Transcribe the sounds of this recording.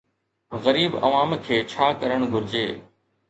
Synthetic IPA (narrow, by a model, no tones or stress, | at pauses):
ɣəɾiːbɐ̰ʋaːmkʰeːt͡ɕʰaːkəɾəɽ̃ɡʱʊɾɪd͡ʑeː